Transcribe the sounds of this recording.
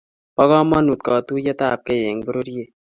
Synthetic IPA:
pɐɣãː˦mɐ˦nu˨t̪̚kaː˨t̪u˦jɐ˦t̪aː˨p̚keje˨ŋɡbuɾo˦ɾije˨

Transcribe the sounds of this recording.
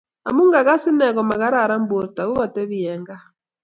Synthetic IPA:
a̰˨mu˦ŋɡa˨ɣa˦si˦nɛ˨ɣɔ˨ma˨ɣa˦ɾa˦˨ɾa˦mbo˨ɾta˨ɣu˦ɣɔ˨tɛ˦βiɛ˨ŋɡa˦

